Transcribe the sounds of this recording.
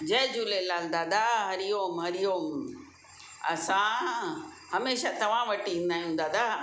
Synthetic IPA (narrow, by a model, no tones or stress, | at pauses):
d͡ʑɐɦd͡ʑuːlelaːld̪ad̪aɦɐɾijoːmɦɐɾijoːm | ɐ̰sã | hɐmeːʃat̪ɐʋ̤ãʋɐʈiĩːn̆d̪aːĩɦũːn̆d̪ad̪aː